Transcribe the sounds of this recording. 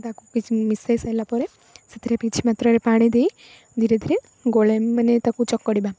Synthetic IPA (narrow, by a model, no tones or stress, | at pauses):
t̪akukit͡ʃmisesalapɔɾe | sət̪ɾepit͡ʃʰimat̪ɾɔɾepaːɽ̃id̪ei | d̪ʱiɾed̪ʱiɾe | ɡoleənet̪akut͡ʃɔkːɔɽiba